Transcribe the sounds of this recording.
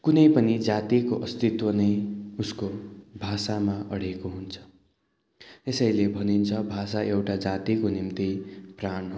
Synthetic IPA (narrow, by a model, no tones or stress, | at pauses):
kunʌjpʌnid͡zat̪ikoʔʌst̪it̪wʌnʌjuskobʱasamaʔʌ̰ɽekoɦunt͡sʰʌ̥ | esʌjlebʱʌnint͡sʰʌbʱas̬aʔewʈad͡zat̪ikonimt̪ipranɦo